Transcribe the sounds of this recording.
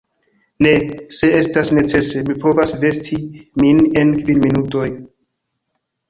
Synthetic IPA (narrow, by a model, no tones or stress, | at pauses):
ne̞se̞e̞stasne̞t͡se̞se̞mipo̞vasve̞stʰimine̞nkvinminuto̞j